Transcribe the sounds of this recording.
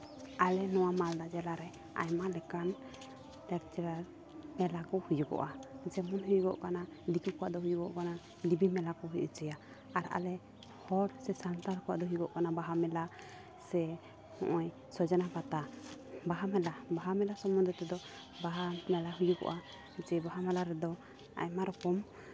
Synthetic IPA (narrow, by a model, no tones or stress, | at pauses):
alɛnɔwamald̪ad͡ʒɛlaɾɛ | a̰jmalɛkan | t̪ɛɾt͡ʃɛɾa | mɛlakɔhujuɡɔ̰ʔad͡ʒɛmɔnɦujuɡɔ̰ʔkanad̪ikukɔwa̰ʔd̪ɔɦujuɡɔʔkana | d̪ibimɛlakɔɦujʔṵt͡ʃɛja | aɾa̰lɛ | hɔɽsɛsant̪aɾkɔwa̰ʔd̪ɔɦujɡɔʔkanabaɦamɛla | sɛ | hɔ̰̃ʔɔj | sɔd͡ʒanapat̪abaɦamɛlabaɦamɛlasɔmund̪ɾɛt̪ɛd̪ɔ | baɦamɛlaɦujuɡɔ̰ʔa | d͡ʒɛbaɦamɛlaɾɛd̪ɔ | a̰jmaɾɔkɔm